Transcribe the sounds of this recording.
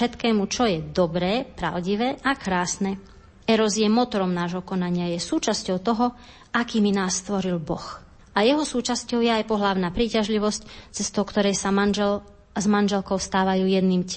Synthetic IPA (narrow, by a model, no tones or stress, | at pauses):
ɛt̪kɛːmut͡ʃɔjɛd̪ɔbɾɛːpɾa̰ʊɟiʋɛːʔakɾaːsnɛ | ɛɾɔzjɛmɔt̪ɔɾɔmnaːʒɦɔkɔnaɲɪajɛsuːt͡ʃascɔʊt̪ɔɦɔ | ʔakiːminaːsːt̪ʋɔɾilbɔ̰x | ajɛɦɔsuːt͡ʃascɔʊjɛajpɔɦlaʊnaːpɾiːcaʒliʋɔsct͡sɛst̪ɔʊkt̪ɔɾɛjsa | zmanʒɛlkɔʊst̪aːʋajuːjɛd̪niːmc